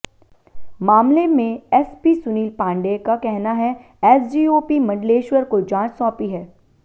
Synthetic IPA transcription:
maːmlemẽɛspisʊniːlpãːɳɖeːkakɛɦnaɦɛ | ɛːsd͡ʒiːoːpimɐ̃ɳɖleːʃwəɾkod͡ʒãːt͡ʃsɔ̃ːpiɦɛː

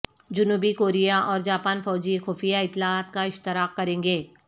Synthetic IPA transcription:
d͡ʒʊnuːbikoːɾijaʔɔːɾd͡ʒaːpaːnfɔːd͡ʒixoːfijaɪt̪ːɪlaaːt̪kaɪʃt̪ɪɾaːqːɐɾẽːŋɡeː

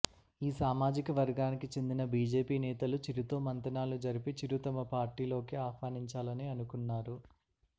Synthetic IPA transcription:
iːsaːmaːd͡ʒikɐʋɐɾɡaːnikit͡ʃe̞nd̪inɐbiːd͡ʒe̞ːpiːnɛːt̪ɐlut͡ʃiɾut̪oːmɐnt̪ɐnaːlud͡ʒɐɾipit͡ʃiɾut̪ɐmɐpaːɾʈːiːlo̞ːkiaːkʋaːniɲt͡ʃaːlɐniɐnukunːaːɾu

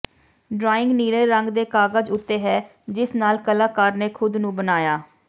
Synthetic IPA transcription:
ɖɾaːɪŋɡniːleːɾəŋɡd̪eːkaːɡəd͡ʒʊt̪ːeːɦɛː | d͡ʒɪsnaːlkəlaːkəɾneːkʰʊd̪nũːbənaːjaː

